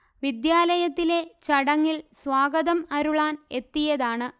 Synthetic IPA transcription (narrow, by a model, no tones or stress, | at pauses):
ʋid̪jaːlɐjɐt̪ːile̞t͡ɕɐɽɐŋːilsʋaːɡɐðɐmɐɾuɭaːne̞t̪ːijɐðaːɳɨ